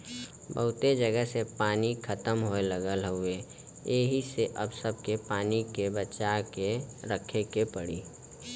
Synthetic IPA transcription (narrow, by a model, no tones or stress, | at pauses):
bəɦʊt̪ed͡ʒəɡəɦsepaːnikʰət̪əmɦoeləɡəlɦʊe | jeːɦiseʔəbsəb̚ʱkepaːnikebət͡ʃakeɾəkʰekepəɽḭː